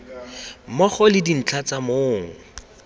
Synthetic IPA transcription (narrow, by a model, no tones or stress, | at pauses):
mɔχɔlɪdin̩t͡ɬʰat͡samoːŋ̩